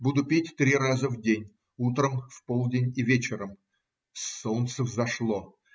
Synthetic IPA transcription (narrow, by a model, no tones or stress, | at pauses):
bud̪ʊpʲetʲt̪ɾʲiɾazəvdʲenʲ | ut̪ɾəmfpolˠdʲɪnʲivʲet͡ɕɪɾəm | sːont̪səvzɐʂlˠo